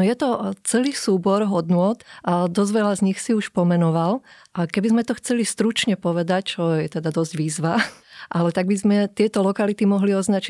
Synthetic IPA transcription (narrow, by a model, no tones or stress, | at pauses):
ɔjɛt̪ɔt͡sɛliːsuːbɔɾɦɔd̪nʊɔt̪ʔad̪ɔzʋɛlazɲixsiuʃpɔmɛnɔʋalʔakɛbizmɛt̪ɔxt͡sɛlist̪ɾut͡ʃɲɛpɔʋɛd̪act͡ʃɔjɛt̪ɛd̪ad̪ɔzɟʋiːzʋaʔalɛt̪aɡ̚bizmɛt̪ɪɛt̪ɔlɔkalit̪imɔɦliɔznat͡ʃi